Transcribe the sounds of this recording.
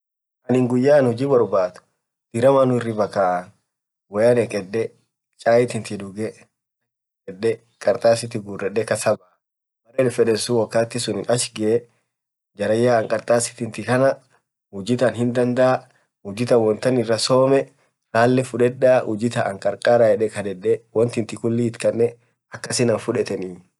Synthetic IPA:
ʔɐnɪŋɡʊjːaːnhʊd͡ʒiːbɔɾbaːt̪ʊ̥ | d̪̥ɪɾɐmanʊɪrːɪbɐkaːʔɐn | wɐjɐnɛkʼɛɗːɛ | t͡ʃʼaːjɪt̪ɪnt̪ɪd̪ʊɡɛ | kʼɛɗːɛ | kʼɐɾt̪ʼaːsɪt̪ɪɡuːrːɛᶑːɛkɐsɐbaː | mɐɾeɛlɛfɛᶑɛsuwɔkːaːt̪ːɪsʊnɪnʔɐʃɡɪʔ | d͡ʒɐɾɐjːaːɐŋkʼɐɾt̪ʼaːsɪ̥t̪ɪnt̪ɪkɐnɐ | hʊd͡ʒɪt̪ɐnhɪnd̪ɐnd̪ɐʔa | hʊd͡ʒɪt̪ɐwɔnt̪ɐnɪrːɐsoːmɛ | ɾaːlːɛfʊᶑɛᶑaːʔʊd͡ʒɪt̪ɐʔɐŋkʼɐɾkʼaːɾajɛᶑɛkɐd̪ɛᶑɛwɐnt̪ɪnt̪ɪkʊlːiɪt̪kʼɐnːɛ | ɐkːɐsɪnɐnfʊᶑɛt̪ɛniː

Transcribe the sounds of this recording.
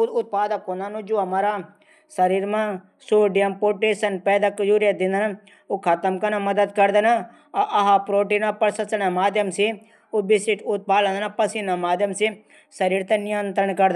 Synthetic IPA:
ud̪ʊt̪̚paːd̪əkɦõnd̪aːnũd͡ʒoːɐmaːɾaː | səɾiːɾmãː | soːɖijəmpoːɾʈeːsənpɛːd̪akjuːɾjad̪ɪ̃nd̪əna | okʰɐt̪əmkɐnãmɐd̪əd̪̚kɐɾd̪anaː | ʔɐɦaːpɾoːʈ̬inãːpɐɾsɐsnamaːd̪jəmsi | obɪsɪʈʊt̪̚paːlə̃nd̪nãpɐsinaːmaːd̪jəmsi | səɾiːɾt̪enɪjə̃nt̪ɾəɳkɐɾd̪

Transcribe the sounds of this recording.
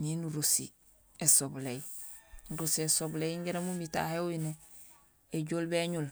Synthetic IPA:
ɲinuɾusḭ | esoblejnɾusiesoblejiŋɡeɾemumita̰heujineː | ɟoːlbeɲul

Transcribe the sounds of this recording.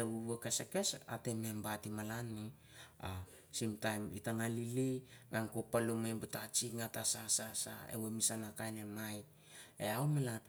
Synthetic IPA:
euβekeseke̞sa̰te̞membatimalanːi | a | simtajmitaŋalilimaŋkopalumebutat͡ʃiŋatasasasa̰ḛwemisanakajnemaj | eawmela

